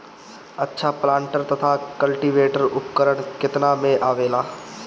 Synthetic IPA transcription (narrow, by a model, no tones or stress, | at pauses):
ɐtːʃʰaplãːɳʈəɾt̪ɐt̪ʰakəlʈiʋeːʈəɾʊpkəɾəɽ̃kɪt̪namẽʔaːʋeːlaː